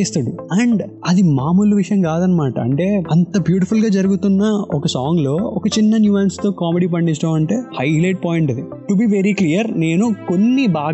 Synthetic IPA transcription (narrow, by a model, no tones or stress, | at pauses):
eːst̪ɐɽuɐːɳɖɐd̪imaːmuluʋiʂɐjɐmkaːd̪ɐnːɐmaːʈɐɐɳʈe̞ːɐnt̪ɐbjuːʈ̬ipʰulɡaːd͡ʒɐɾuɡut̪unːɐɔkɐsaːŋɡlo̞ːɔkɐt͡ʃinːɐnjuːʋaːnst̪o̞ːkaːmeɽiːp̬ɐɳɖit͡ʃːʈɐːmɐɳʈe̞ːhɐjlɐjʈ̚paːjiɳʈɐd̪iʈubiːʋeɾiklijɐɾne̞ːnukonːibaː